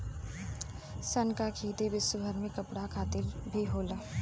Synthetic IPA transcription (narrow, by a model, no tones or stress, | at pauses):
sɐnkakʰiːt̪ibɪsʊbʱəɾmẽkɐpɽakʰaːt̪ɪlbʱiɦoːlaː